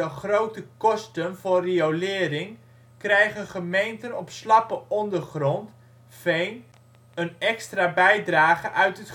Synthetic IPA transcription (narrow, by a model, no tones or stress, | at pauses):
əχrowtəkɔstənvʊːriolɪːɾɪŋ | krɛjχənχəmejntənɔpslɑpəʔɔndərχrɔnt | fejn | ənɛkstrabɛjdraːχəʔœɥtət